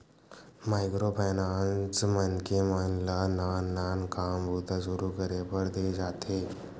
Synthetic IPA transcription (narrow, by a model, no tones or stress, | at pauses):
majkɾopɛnant͡smənkemənlanaːankambʱut̪asuɾukəɾepəɾd̪ed͡zat̪ʰe